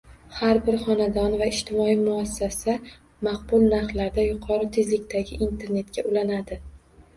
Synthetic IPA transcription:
haɾbɪɾχɒnad̪ɒnvaɪʃt̪ʰɪmɒimʊasːasa | maq̚bʊlˠnaɾχlaɾd̪ajʊqʰɒɾɪt̪ʰe̞zlɪkʲt̪ʰaɡʲɪʔint̪ʰe̞ɾne̞t̪̚kʲaʔʊlanad̪ɪ

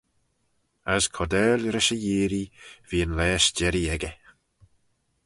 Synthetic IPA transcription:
askʰɔdɛːlɾɪʃəjiːɾiviːənlɛːʃd͡ʒɛɾiɛɡə

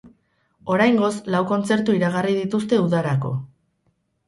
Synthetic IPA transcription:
o̞ɾajŋɡo̞slawko̞nt͡se̞ɾt̪uiɾaɣ̞ariðit̪ust̪e̞uðaɾako̞̰

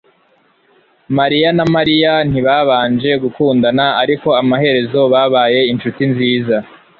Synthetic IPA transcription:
maɾijanamaɾijan̥iβaβaːnd͡ʒe̞ɡukuːndanaaɾiko̞amaɦe̞ɾe̞zo̞βaβaːje̞inʃutinziːza

